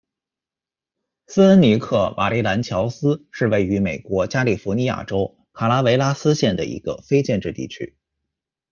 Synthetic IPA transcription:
sɹ̩˥ə˥nni˧˥kʰɤ˥˩wʔa̰˨˩li˥˩la˧˥nt͡ɕʰjɑ˧˥ʊsɹ̩˥ʂɻ̩˥˧we˥˩ɪy˧˥me˨˩ɪkwɔ˧˥t͡ɕja˥li˨˩fu˧˥ni˧˥ja̰˨˩ʈ͡ʂo˥ʊ | kʰa˨˩la˥we˧˥ɪla˥sɹ̩˥ɕjɛ˥˩nd̪ə̰˩ḭ˧˥ɡ̥ə̰˧fe˥ɪt͡ɕjɛ˥˧nʈ͡ʂɻ̩˥˧t̪ḭ˥˩t͡ɕʰy̰˥

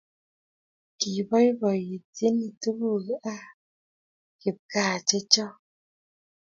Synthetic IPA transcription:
ki˨bɔ˦i˦bɔ˨ji˨te˦ni˨tu˦bu˦˨ɣʔa˦ | ki˨p̚ka˦˨t͡ʃe˦t͡ʃɔ˦

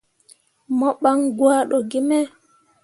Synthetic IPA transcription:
mɔ˦ɓa˦ŋɡwa˦ɗɔ˨ɡi˦mɛ˦

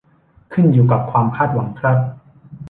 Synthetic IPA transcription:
kʰɯ˥˩njuː˨˩ka˨˩p̚kʰwaː˧mkʰaː˥˩t̪̚wa˩˦ŋkʰɾa˦˥t̪̚

